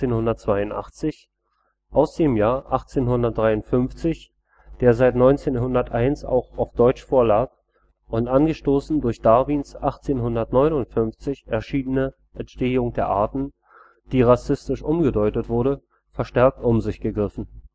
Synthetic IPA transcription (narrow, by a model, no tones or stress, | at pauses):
eːnhʊndɐtt͡sv̥aɪʊntʔa̰χt͡sɪç | ʔaʊsd̥eːmjaːɐʔaχt͡seːnɦʊndɐt̚d̥ʁaɪʊntfʏnft͡sɪç | d̥eːɐzaɪtnɔʏnt͡seːnhʊndɐtʔaɪnsa̰ʊxaʊfd̥ɔʏt͡ʃfoːɐlaːk̚ | ʔʊntʔanɡəʃtoːsn̩dʊɐçd̥aɐviːnsʔaχt͡seːnɦʊndɐtnɔʏnʊntfʏnft͡sɪçɛɐʃiːnənə | ʔɛntʃteːʊŋd̥eːɐʔaɐtn̩ | d̥iːʁasɪstɪʃʔʊmɡədɔʏtətv̥ʊɐɾə | fɛɐʃtɛɐk̚tʔʊmzɪçɡ̥əɡʁɪfn̩